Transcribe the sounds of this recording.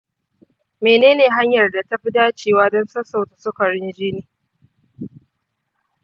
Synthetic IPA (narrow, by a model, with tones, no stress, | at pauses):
meː˨neː˦neː˨ɦa˦ɲjɐ˨rda˨ta˦ɸi˦daː˦t͡ʃeː˨waː˦dɔ˦nsɐ˦sa˨ta˨sʊ˦kɐ˨ɽɪ˦nd͡ʒiː˦niː˨